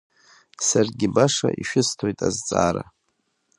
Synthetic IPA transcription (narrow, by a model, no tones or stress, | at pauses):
sarɡʲɪbaʂa̰ʔiʃᶣɪstʰojtʼazt͡sʼa̰ːɾa